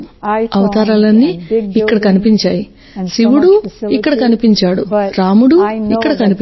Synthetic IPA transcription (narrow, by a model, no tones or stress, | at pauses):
ɐʋɐt̪aːɾaːlɐnːiːkːɐɽɐkɐnipiɲt͡ʃaːji | siʋuɽuikːɐɽɐkɐnipiɲt͡ʃaːɽuɾaːmuɽuikːɐɽɐkɐnip